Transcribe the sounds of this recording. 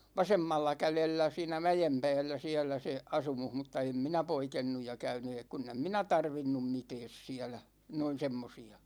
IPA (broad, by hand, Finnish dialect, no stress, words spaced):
ʋɑsemːɑlːɑ kælelːæ siːnæ mæjem pæ̝ːlːæ siælˑæ se ɑsumuh mutːɑ em minæ poikenːuj jɑ kæyny eː kunː em minæ tɑrʋinːum mitɛːs siælæ noin̞ semːosiɑ